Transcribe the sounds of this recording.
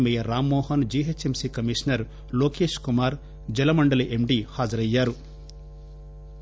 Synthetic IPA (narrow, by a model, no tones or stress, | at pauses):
mijɐɾaːmːɔːhɐnd͡ʒiːɦet͡ʃemsikɐmiʂɐnɐɾ | loːke̞ːʂkumaːɾ | d͡ʒɛlɐmɐɳɖɐliʔemɖiːhaːd͡ʒɐɾɐjːaːɾu